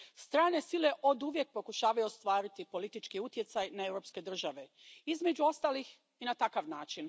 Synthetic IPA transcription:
st̪ɾaːne̞sile̞ʔo̞d̪uʋje̞k̚po̞kuʃaːʋajuost̪ʋaːɾit̪ipo̞lit̪it͡ʃkiut̪je̞t̪sajnae̞wɾo̞pske̞d̪r̩ʒaʋe̞ | izme̞d͡ʑuo̞st̪aːlix | inat̪akaʋnaːt͡ʃin

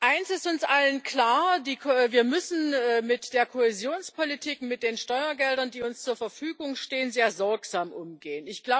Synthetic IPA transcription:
ʔaɪnsɪstʊnsʔalənkl̥aːɐdiːkʰːviːɐmʏsn̩ɛːmɪtd̥eːɐkʰohɛzjoːnspʰolitʰiːkmɪt̚d̥eːnʃtɔʏɐɡɛldɐndiːʊnst͡suːɐfɛɐfyːɡʊŋʃteːənzeːɐzɔɐkz̥aːmʔʊmɡeːənɪçɡ̥laʊ

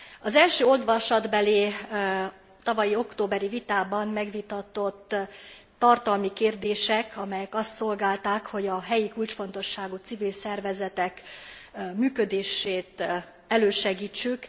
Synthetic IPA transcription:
ɒzɛlʃøːo̞d̪ʋɒʃɒd̪bɛleː | t̪ɒvɒjio̞kt̪oːbɛɾivit̪aːbɒmmɛɡʋit̪ɒt̪o̞t̪ː | ɒrt̪ɒlmikeːrd̪eːʃɛkʰɒmɛjɛkɒst̪so̞lɡaːlt̪aːkho̞ɟɒɦɛjikult͡ʃfo̞n̪t̪o̞ʃːaːɡut̪sivilsɛrvɛzɛt̪ɛk | myːkø̞d̪eːʃeːt̪ | ɛløːʃɛɡiːt͡ʃːyk

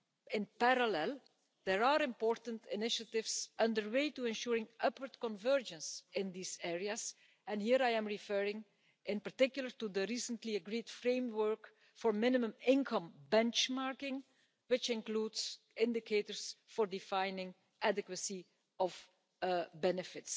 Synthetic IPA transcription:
ɪ̃npaɾalɛlˠ | d̪̥ɛɹaɹɪ̃mpɔːɹtə̃ntʰɪnɪʃatɪvsʌ̃ndəɹweɪtuɛ̃nʃuːɹɪ̃ŋʌpwəɹtkɔ̃nvɜɹd͡ʒə̃nsɪ̃nd̪iːzɛɹiəs | ɛ̃nhiːɾajɛ̃mɹifɜɹɪ̃ŋ | ɪ̃npaɹtɪkjʊl̩ˠəɹtud̪əɹiːsə̃ntliəɡɹiːd̥fɹẽɪ̃mwɜɹk | fɔɹmɪnɪmə̃mɪ̃nkʰʌ̃mbɛ̃nt͡ʃmaɹkɪ̃ŋ | wɪt͡ʃɪ̃nkluːdz | ɪ̃ndɪkʰetəɹsfɔɹdɪfãɪnɪ̃ŋ | ʔædɪkwəsi | ɔv | bɛnɪfɪts

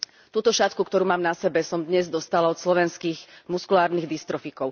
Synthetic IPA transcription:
t̪uːt̪ɔʃat̪kukt̪ɔɾuːmaːmnasɛbɛsɔmd̪ɲɛzd̪ɔst̪alaɔt̪slɔʋɛnskiːɣmuskulaːɾniːɣd̪ist̪ɾɔfikɔʊ

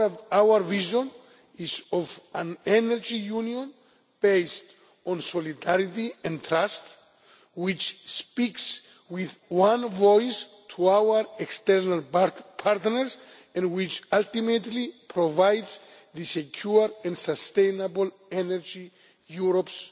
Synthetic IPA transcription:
tawəɾviʒɔ̃n | izɔvãnɛnɛɹd͡ʒijunjõn | b̥ejst | ɔ̃nsɔlidaɾitiɛ̃nt̪ʰɾast | wit͡ʃspiks | wiðwãnvɔjs | tʰuawəɾɛkst̪ɛɹnalpʰaɾtnəɹs | ɛ̃nwit͡ʃalt̪imetlipʰɹovajdz | ðɨsekʰjuɾɛ̃nsast̪ẽjnabl | ɛnɛɹd͡ʒi | juɾops

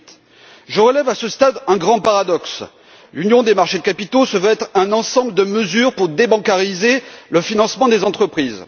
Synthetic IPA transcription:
ʒəʁəlɛvasəst̪ad̪ɛ̃ɡʁɑ̃paʁad̪ɔks | lynjɔ̃d̪emaʁʃed̪əkapit̪osəvøɛt̪χɛ̃nɑ̃sɑ̃bləd̪əməzyʁpuʁd̪ebɑ̃kaʁizeləfinɑ̃smɑ̃d̪ezɑ̃t̪χəpχiz

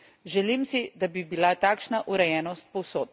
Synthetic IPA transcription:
ʒɛlimsid̪abibilat̪aːkʃnaʔuɾɛjɛːnɔst̪̚pɔwsoːt̪̚

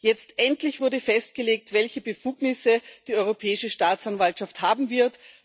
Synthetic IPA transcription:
jɛt͡stʔɛntlɪçv̥ʊɐdəfɛst̚ɡ̥əleːk̚tvɛlçəbəfuːɡnɪsəd̥iːɔʏʁopʰɛːɪʃəʃtaːt͡sanvaltʃafthaːbm̩vɪɐt

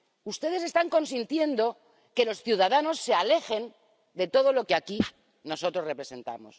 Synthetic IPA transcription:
ust̪e̞ð̞es̬e̞st̪aŋko̞ns̬int̪je̞nd̪o̞ | ke̞lo̞sθjuðaðano̞sːe̞ale̞xe̞n | d̪e̞t̪o̞ð̞o̞lo̞keaki | no̞so̞t̪ɾo̞sre̞pɾe̞se̞nt̪a̰mo̞̰s

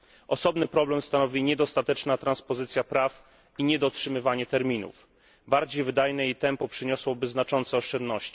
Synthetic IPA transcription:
ʔɔsɔbnɘpɾɔblɛmst̪anɔvʲiɲɛd̪ɔst̪at̪ɛt͡ʂnat̪ɾanspɔzɘt̪sʲjapɾaf | iɲɛd̪ɔtʂɘmɘvaɲɛt̪ɛɾmʲinṵf | baɾd͡ʑejvɘd̪ajnɛit̪ɛmpɔpʂɘɲɔswɔbɘznat͡ʂɔnt̪sɛɔʂt͡ʂɛnd̪nɔɕt͡ɕi̥

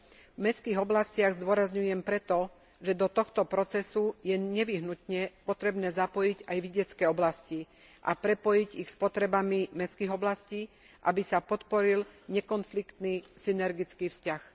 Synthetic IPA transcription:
vmɛskiːɣɔblascɪaɣzd̪ʊɔɾazɲujɛmpɾɛt̪ɔ | ʒɛd̪ɔt̪ɔxt̪ɔpɾɔt͡sɛsujɛɲɛʋiɦnut̪ɲɛpɔt̪ɾɛbnɛːzapɔjiɟajʋiɟɛt͡skɛːɔblasci | ʔapɾɛpɔjiɟixspɔt̪ɾɛbamimɛskiːɣɔblasciː | ʔa̰bisapɔt̪pɔɾilɲɛkɔnflikt̪nisinɛɾɡit͡skiːfscax

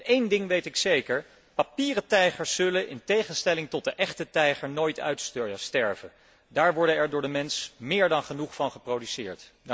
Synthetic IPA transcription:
ejndɪŋʋejtɪksejkəɹ | papiːrətɛjχəɹsːɵlənʔɪ̰ntejχənstɛlɪŋtɔt̚dəʔɛχtətɛjχəɹnojtʰœ̰ɥtstɛɹvən | daːɹʋɔɹdənɛɹdʊːɹdəmɛnsmɪːɹdɑnχənuχfɑnχəprowdysɪːɹt

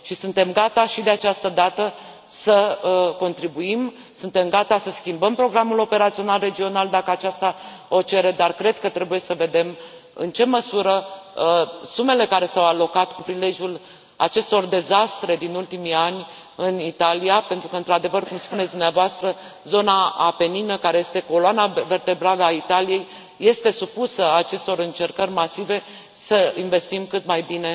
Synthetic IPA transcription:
ʃisunt̪e̞mɡat̪aʃid̪e̞at͡ʃast̪əd̪at̪ə | səko̞nt̪ɾibuim | sunt̪e̞mɡat̪asəskʲimbəmpɾo̞ɡɾamulo̞pe̞ɾat̪sio̞nalre̞d͡ʒio̞nald̪akəat͡ʃast̪a | ot͡ʃe̞ɾe̞d̪arkɾe̞d̪̚kət̪ɾe̞buje̞səve̞d̪e̞m | ɨ̰nt͡ʃe̞məsuɾə | sume̞le̞kaɾe̞sawalo̞kat̪kupɾile̞ʒʲul | a̰t͡ʃe̞st̪o̞rd̪e̞zast̪ɾe̞d̪inult̪imianʲ | ɨnit̪alijapent̪ɾukəɨnt̪ɾad̪e̞vərkumspunet̪sd̪umneavoast̪ɾəzo̞naape̞ninəkaɾeje̞st̪e̞ko̞loanave̞rt̪e̞bɾaləait̪alije̞jː | e̞st̪e̞supusəat͡ʃe̞st̪o̞ɾɨnt͡ʃe̞rkərʲmasive̞ | səinve̞st̪imkɨt̪majbine̞

